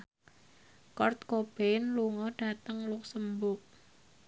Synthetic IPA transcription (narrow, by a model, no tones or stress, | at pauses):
kɔrt̪̚kob̥ɛnluŋɔɖ̥a̤t̪əŋlʊk̚səmbʊk̚